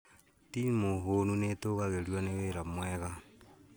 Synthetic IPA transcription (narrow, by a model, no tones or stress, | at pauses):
timoɦonunetoɣaɣelwaneβeɾamweɣa